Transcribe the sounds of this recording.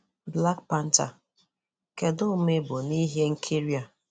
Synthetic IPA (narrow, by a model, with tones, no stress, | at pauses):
bla˦kpa˦n̩˦ta̰˨ | ke˨dʊ˦me˦bʊ˨ni˦ɦe˦ŋ̩˦kʰi˦ɾi˦a˨